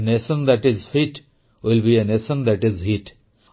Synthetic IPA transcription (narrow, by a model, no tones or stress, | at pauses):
nesə̃nd̪æʈɪzfiʈ | wɪlbienesə̃nd̪æʈɪzhiʈ